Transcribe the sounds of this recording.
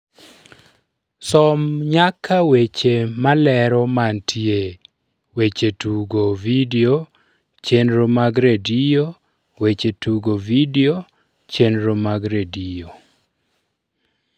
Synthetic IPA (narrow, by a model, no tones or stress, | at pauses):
sɔmɲakʰːawet͡ʃemalɛɾɔmantʰie | wet͡ʃetuɡovideo | t͡ʃenɾomaɡɾedijo | wet͡ʃetuɡovideo | t͡ʃenɾomaɡɾedio